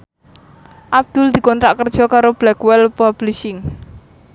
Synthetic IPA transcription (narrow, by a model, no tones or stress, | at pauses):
ʔab̚d̪̥ʊld̪̥i̤kɔnt̪ɾaʔkərd̥ʒ̥ɔ̤kaɾob̥lɛkwɛlpab̥lisɪŋ